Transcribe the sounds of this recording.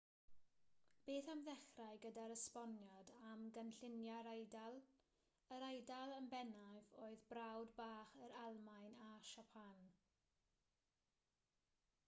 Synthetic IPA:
b̥eːθamðɛχraɨɡədaɾəspɔnjɔdamɡənɬɪnjaɾajdalˠ | əɾajdalˠənbɛnajvoːɨðbrawdbaːχəɾalˠmajnaʃapʰan

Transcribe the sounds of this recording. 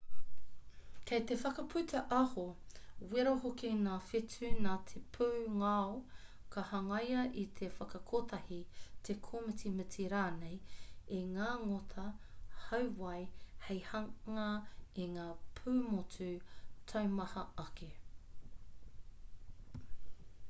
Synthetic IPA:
kʰejt̪efɐkɐpʰʉt̪ʰɐʔɐhowiɾohokiŋaːfetʉnaːt̪ʰepʰuːŋao | kʰɐhɐŋɐjɐʔit̪ʰefɐkɐkʰotʰɐhit̪ʰekʰoːmɨtimɨtiɾaːnejeŋaːŋot̪ʰɐhɐwwɐjhejhɐŋɐiŋaːpʰʉːmotʰʉtʰɐwmɐhɐɐke

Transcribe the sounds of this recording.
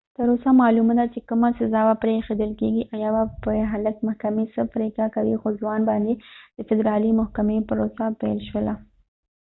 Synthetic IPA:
t̪əɾosamɑlumad̪at͡ʃekəmasazɑwapɾexed̪əlkeɡiʔajɑwapəɦaləkmahkamesəpɾekakawixod͡ʒwɑnbɑnd̪ed̪̥əfɪd̪ɾɑlimʊhkamepəɾosapalʃwəla

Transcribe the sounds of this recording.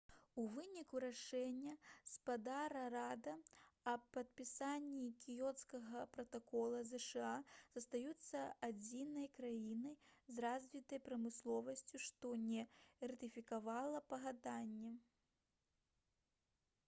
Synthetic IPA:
uvɨnʲikuɾaʂɛnʲːɐspad̪aɾɐɾad̪ɐɐpːɐt̪̚pʲisanʲːikʲijɔt̪skɐɣɐpɾɐt̪akɔlˠɐzɛʂɛaz̥ɐst̪ajut̪sːɐad͡zʲinɐjkɾajinɐjzrazʲvʲit̪ɐjpɾɐmɨslˠɔvɐsʲt͡sʲuʂt̪ɔnʲɛrɐt̪ɨfʲikavalˠɐpɐɣad̪anʲːɛ

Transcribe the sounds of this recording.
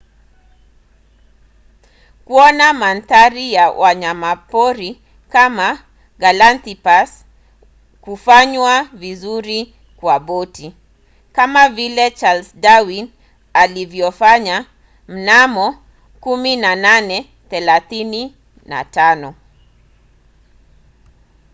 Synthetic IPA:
kuɔnamantaɾijawʔaɲamapɔɾi | kama | ɡalantipas | kufaɲwavizuɾi | kwabɔti | kamavilɛt͡ʃalsdawin | alivjɔfaɲa | m̩namɔ | kuminananɛ | θɛlaθini | na̰tanɔ

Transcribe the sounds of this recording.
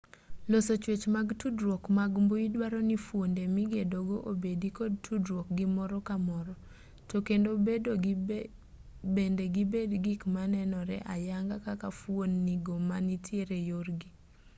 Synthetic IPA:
losot͡ʃwet͡ʃmaɡtudɾwokmaɡmboidwaɾɔnifwondemiɡedoɡoʔobedikɔd̚tʰudɾwok̚ɡɪmɔɾɔkamɔɾɔ | tokendobedo | bendeɡibedɡikmanɛnɔɾɛ̰ʔajaŋɡakakafwonːiɡomanitʰjeɾejorɡi

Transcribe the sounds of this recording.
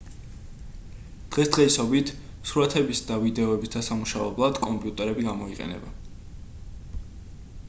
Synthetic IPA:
d̪̥ʁɛsd̪̥ʁɛisɔbit̪ʰ | suɾat̪ʰɛbisd̪avid̪ɛɔɛbisd̪asamuʃavɛblˠad̪kʼɔmpʼiut̪ʼɛɾɛbiɡamɔiqʼɛ̰nɛ̰ba

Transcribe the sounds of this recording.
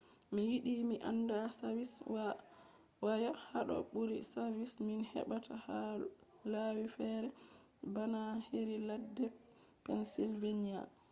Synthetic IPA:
miwiɗimiʔa̰nːdasawiswa | wajahaɗɔ̰ɓuɾḭsavisminhɛ̰ɓatʰaha | lawifɛːɾɛ | banaheɾiladːɛ | pɛnsilvenija̰

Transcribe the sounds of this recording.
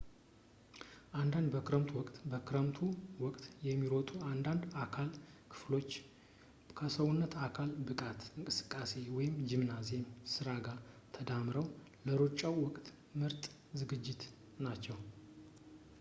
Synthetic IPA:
ʔand̪and̪bəkʰɨɾəmt̪ʰuwɔkʼt̪bəkʰɨɾəmt̪ʰuwɔkʼt̪ʼjɛmːiɾot̪ʼuand̪and̪akʰalkʰɨ̥flo̞t͡ʃː | kʰəsəwunːət̪akʰalbɨkʼat̪ɨŋkʼɨsɨ̥kʼːase̞wɔjɪmd͡ʒɪmnaze̞msɨɾaɡa | t̪ʰəd̪amɾəw | ləɾot͡ʃʼːawwɔkʼt̪ | mɨɾt̪ʼ | zɨɡɨd͡ʒːɪt̪ | nat͡ʃːɛw

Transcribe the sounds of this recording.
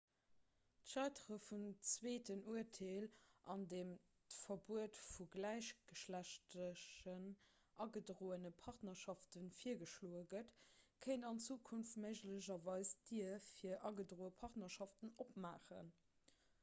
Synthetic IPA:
tʃɑɪtʁəfunt͡sweːtʰənuətʰeːlʔɑndeːm | təfɐbuətfuɡlæɪɕɡ̥əʃlæɕtəən | ʔɑɡədʀoːənəpʰɑʁtnɐʃɑftənfiːɐɡəʃloːəɡətkʰəɪnɑnt͡suːkʰunftməɪʒləʑɐvɑɪsd̥iɐfiːɐʔɑɡədʁoːəpʰɑʁtnɐʃɑftənop̚maːχə̰n

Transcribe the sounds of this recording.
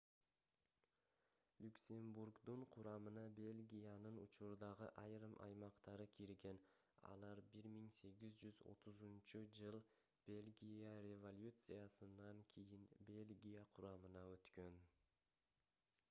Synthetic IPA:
lʲuksʲe̞mburkd̪uɴqʰʊɾɑmɯnɑbʲe̞lʲɡʲijanɯnṵt͡ʃʊɾd̪ɑʁəʔɑjɾɯmʔɑ̰jmɑqt̪ɑɾɯkʲʰiɾɡʲe̞n | ɑ̰lˠɑɾbɪɾmiŋse̞ɡʲɪzd͡ʒyzo̞̰t̪ʰʊzunt͡ʃud͡ʒɯlˠ | b̥e̞lʲɡʲijaɾʲevo̞lʲjut̪sɨjasɨnːɑŋkʲʰejɪnbʲe̞lʲɡʲijaqʰʊɾɑmɯnɑøt̪kø̞n

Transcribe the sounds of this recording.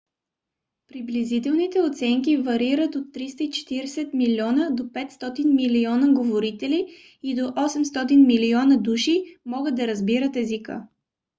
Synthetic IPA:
pɾiblizit̪ɛlˠnit̪ɛot̪sɛŋkivɐɾiɾət̪ot̪ːɾist̪əit͡ʃɛ̥t̪iɾɛsɛt̪miliɔnəd̪opɛt̪st̪ɔt̪inmiliɔnəɡovoɾit̪ɛliː | d̪oʔɔsɛmst̪ɔt̪inmiliɔnəd̪uʃimɔɡəd̪̚d̪ɐɾəzbiɾət̪ɛzikə̰

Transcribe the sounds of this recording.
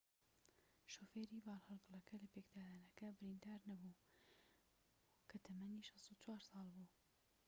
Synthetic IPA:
ʃoːfeːɾiːbɑːlhɨlɡɨlˠɐkɐlɐpekd̪aːd̪aːnɐkɐbɪɾind̪aːɾnɐbu | kʰɐt̪ʰɐmɐniːʃɑst̪ut͡ʃwaːɾsɑːlˠbuː

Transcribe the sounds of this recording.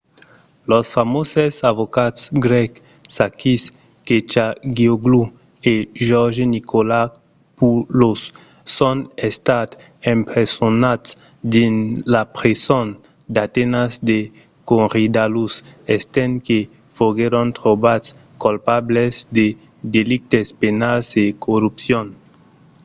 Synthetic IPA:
lɔsfamosesavokat̪sɡɾɛk | sakis | ket͡ʃaɡioɡlu | eʒɔɾʒenikola | pulosː | õnest̪at̪ | ẽmpɾesonat̪s | d̪inlapɾeson | d̪at̪enazd̪e | konʁid̪alusest̪ɛnke | foɡeɾõnt̪ɾobats | kolpablezd̪e | d̪elik̚t̪espenalzekoɾupsjon

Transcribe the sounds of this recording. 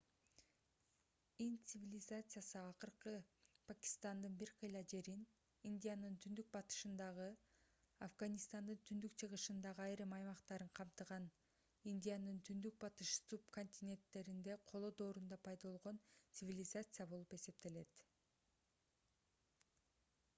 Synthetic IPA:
int̪sɨvʲilʲɪzat̪sɨjasɯɑqɯɾqɯpʰakʲi̥st̪ɑnd̪ɯnbiɾqʰɯjlˠɑd͡ʒe̞ɾin | ind̪ʲijanɯnt̪ʰynd̪yk̚bɑt̪ɯ̥ʃɯnd̪ɑʁɯ | afɡanʲist̪ɑnd̪ɯnt̪ʰynd̪ykt͡ʃʰɯʁɯʃɯnd̪ɑʁɯɑjɾɯmɑjmɑqt̪ɑɾɯɴqʰɑmt̪ɯʁɑn | ind̪ʲijanɯnt̪ʰynd̪yk̚bɑt̪ɯʃsupko̞nʲt̪ʲinʲe̞nt̪ːe̞ɾind̪e̞qʰolˠod̪o̞ːɾund̪ɑpʰɑjd̪ɑolˠʁo̞nt̪sɨvʲilʲɪzat̪sɨjabo̞lˠupe̞se̞p̚t̪e̞le̞t̪

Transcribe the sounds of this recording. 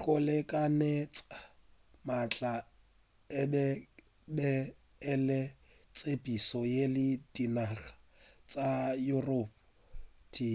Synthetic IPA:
k͡xʊlekʼanɛt͡sʼa | mat͡ɬʼa | ɛbɛ | bɛː | lɪ | t͡sʼepʼisɔjelɪd̥inaɣḁ | t͡sʼajurɔp̚ | tʰiː

